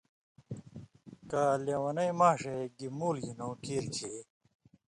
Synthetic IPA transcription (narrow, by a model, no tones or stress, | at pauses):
kaːlewɐnɐjmaːʂeɡimuːljinõːkʰiːɾkʰe